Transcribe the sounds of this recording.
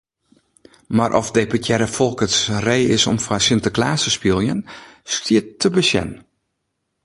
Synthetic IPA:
marʔɔ̰fdepətʰjɛɾəfɔlˠkəsrejɪsɔ̰mfwasəntəklaːsəspilˠjənstiətːəbəsjɛ̰n

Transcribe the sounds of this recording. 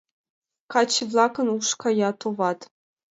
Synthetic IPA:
kɑt͡ɕːvlˠɑkɤ̆nuʂkɑjɑt̪ovɑt̪

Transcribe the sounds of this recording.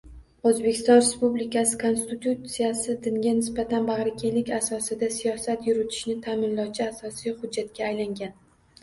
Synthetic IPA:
ɵzbekʲʰɪ̥st̪ɒnɾe̞spublɪkʰasɪ̥kʰo̞nst̪ɪt̪ut̪sijasɪd̪ɪŋɡʲanɪsbat̪ʰanbaʁɾɪkʲʰenlɪkʲasɒsɪd̪asijɒsat̪jʊɾʊt̪ʰɪ̥ʃnɪt̪ʰamɪnlɒt͡ʃʰɪasɒsijhʊd͡ʒːat̪kʲaːjlaŋɡʲan

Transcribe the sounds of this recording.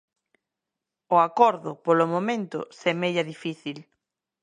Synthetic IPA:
ʊakɔɾðʊpolʊmomẽnt̪ʊ̰sɛmejɐðifiθil

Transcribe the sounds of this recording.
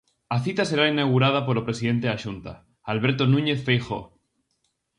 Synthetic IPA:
aθit̪ase̞ɾainawɣ̞uɾað̞apoɾlopɾe̞siðe̞nt̪eaʃunt̪a̰ | alβe̞ɾt̪o̞nũɲe̞θfejxo̞̰

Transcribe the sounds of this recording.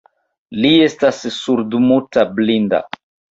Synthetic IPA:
lie̞stasːuɾdumutablinda̰

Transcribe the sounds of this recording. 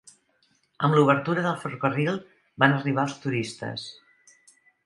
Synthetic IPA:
əmluβəɾt̪uɾəðəlˠforukərilˠ | banəriβ̞alˠst̪uɾist̪ə̰s

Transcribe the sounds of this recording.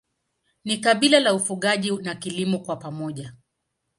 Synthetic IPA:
nikaɓilalaufuɠaʄinakilimɔkwapamɔʄa

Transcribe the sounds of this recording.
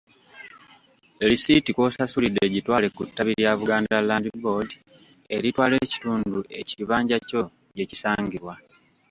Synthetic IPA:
elisitiko̞ːsasulide̞ɟitwaːle̞kutːaβiljaβuɡaːndalandibo̞di | e̞ɾitwaːle̞ːci̥tuːnduʔe̞ciβaːɲɟaco̞ | ɟe̞ci̥saːɲɟiɾwa

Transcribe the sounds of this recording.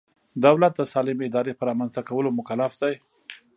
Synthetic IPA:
d̪awlat̪̚d̪əsɑlɪmeɪd̪ɑɾepəɾɑmanzt̪akawəlomʊkalafd̪aj

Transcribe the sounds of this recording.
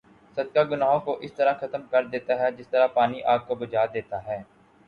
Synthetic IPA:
sɐd̪̚kaɡʊnaːɦõkoʔɪst̪əɾaxɐt̪əmkəɾd̪eːt̪aːɦɛd͡ʒɪst̪əɾapaːniʔaːp̚kobəd͡ʒaːd̪eːt̪aːɦɛː

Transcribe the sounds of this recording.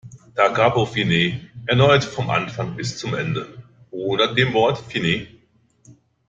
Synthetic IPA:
d̥aːɡapofineʔɛɐnɔʏtfɔmʔa̰nfaŋbɪst͡sʊmʔɛndə | ʔoːdɐdeːmvɔɐtfine

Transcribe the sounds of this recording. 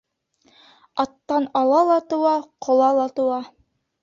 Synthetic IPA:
ɑt̪ːɑnɑlˠɑlˠɑt̪ɤ̆wɑqʰŏlˠɑlˠɑt̪ɤ̆wɑ

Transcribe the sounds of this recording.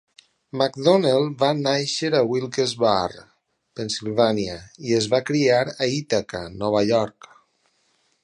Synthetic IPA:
makd̪onelˠbanaʃəɾawilˠkezβar | pensilˠβaniaiezβakɾiaɾait̪aka̰nɔβ̞aʎɔɾk

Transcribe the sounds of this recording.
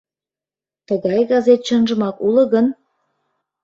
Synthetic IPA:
t̪əɣɑjɣɑzet̪̚t͡ɕənʒə̆mɑkulə̆ɣən

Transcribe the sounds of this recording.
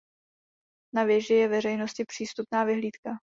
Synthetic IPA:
navjɛʒɪjɛvɛrɛjno̞scɪpr̥iːst̪upnaːvɪɦliːt̪ka

